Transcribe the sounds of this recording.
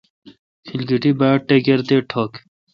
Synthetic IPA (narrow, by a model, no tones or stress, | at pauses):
kʰilɡiʈibaːʈːeɡeɾt̪eʈʰoːk